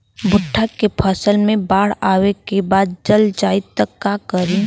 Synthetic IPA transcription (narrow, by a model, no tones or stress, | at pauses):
bʊʈʰːakːepʰəsəlmẽbaːɽ̤aːwekebaːd̪̚d͡ʒəld͡ʒaːɪt̪ːəkːakəɾiː